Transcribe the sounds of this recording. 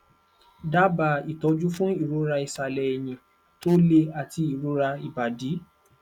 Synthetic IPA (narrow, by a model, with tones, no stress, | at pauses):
da˦ba˧˨i˨tɔ˨˧˦d͡ʒu˦fũ˦i˦˨ɾo˨˦ɾa˧i˨sa˧˨lɛ˧e˨j̃ĩ˧ | to˦le˧a˨ti˧i˨ɾo˨˦ɾa˧i˨ba˨di˨˦